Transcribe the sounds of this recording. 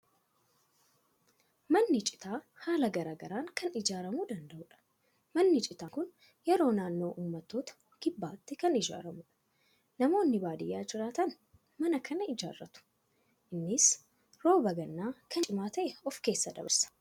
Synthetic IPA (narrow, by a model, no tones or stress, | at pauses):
mɐnːɪt͡ʃʼɪ̥t̪aː | haːlɐɡɐɾaːɡɐɾaːŋkɐnɪd͡ʒaːɾɐmuːd̪ɐnd̪ɐʔʊᶑɐ̥ | mɐnːɪt͡ʃʼɪt̪aːkʊn | jɛɾo̞ːnaːnːo̞ːʔuːmːɐt̪ːo̞ːt̪ɐ̥ | ɡ̥ɪbːaːt̪ːɛkɐnɪd͡ʒa̰ːɾɐmuᶑɐ̥ | nɐmo̞ːnːɪbaːd̪ɪjːaːd͡ʒɪɾaːt̪ɐn | mɐnɐkʰɐnɐɪd͡ʒa̰ːrːɐt̪ʊ̥ | ʔɪnːɪs | ɾo̞ːbɐɡɐnːaːkɐt͡ʃʼɪmaːt̪ɐʔɛɔfke̞ːsːɐd̪ɐ̰bɐɾsɐ̥